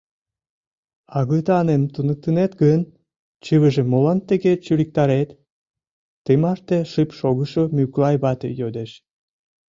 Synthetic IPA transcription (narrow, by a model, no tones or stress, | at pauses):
ɑɣəjt̪ɑnent̪unək̚t̪ənet̪ɡən | t͡ɕɨβəʒemolɑnt̪eɣet͡ɕylik̚t̪ɑɾet̪ː | emɑʃt̪eʃɨpʃoɣəʃomyklɑjβɑt̪ḛjød̪eʃ